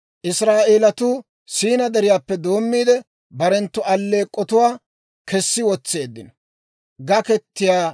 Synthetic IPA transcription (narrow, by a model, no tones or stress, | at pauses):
ʔɪsɾaːʔe̞ːlɐt̪uː | siːnɐd̪ɛɾɪjaːpːɛd̪o̞ːmːiːd̪ɛ | bɐɾɛnt̪ːʊɐlːe̞ːkʼːɔt̪ʊwaː | kɛsːɪwɔt͡sːe̞ːd̪ːɪnɐ | ɡɐkɛt̪ːɪjaː